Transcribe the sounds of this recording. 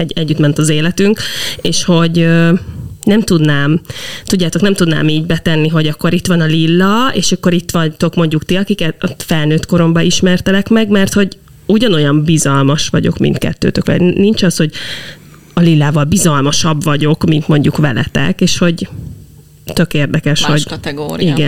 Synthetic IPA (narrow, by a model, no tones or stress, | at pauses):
ɛɛɟːyt̪mɛnt̪ɒzeːlɛt̪yŋkeːʃho̞ɟø | nɛmt̪ud̪naːmt̪udɟːaːt̪o̞knɛmt̪ud̪na̰ːmiːɟbɛt̪ɛnːiɦo̞ɟɒkːo̞ɾit̪ʋɒnɒlilːɒḛːʃɒkːo̞ɾit̪ʋɒt̪o̞kmo̞ɲɟukt̪iɒkikɛt̪t̪fɛlnøːt̪ko̞ɾo̞mbɒiʃmɛrt̪ɛlɛkmɛɡmɛrt̪ho̞ɟ | uɟɒno̞jɒmbizɒlmɒʃʋɒɟo̞̰kmḭnt̪kɛ̰t̪ːø̰ːt̪økʋɛ̰nint͡ʃɒsho̞ɟ | ɒlilːaːvɒlbizɒlmɒʃɒbvɒɟo̞kmint̪mo̞ɲɟukʋɛlɛ̰t̪ɛ̰keːʃho̞ɟ | t̪ø̞keːrd̪ɛkɛʃho̞ɟ̪ɛːiɡɛn